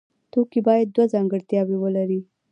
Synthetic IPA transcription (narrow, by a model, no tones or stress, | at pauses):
t̪okibɑjad̪̚ːwazɑŋɡəɽt̪jɑbewəlaɾi